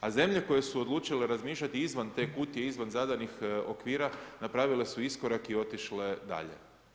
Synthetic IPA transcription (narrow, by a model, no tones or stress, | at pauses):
aze̞mʎe̞ko̞je̞suod̪luːt͡ʃile̞ɾazmiːʃlʎat̪iizʋant̪e̞ːkuːt̪jeizʋanzad̪anixo̞̰kʋiːɾanapɾaʋile̞suisko̞ɾakio̞t̪iʃle̞d̪a̰ʎe̞̰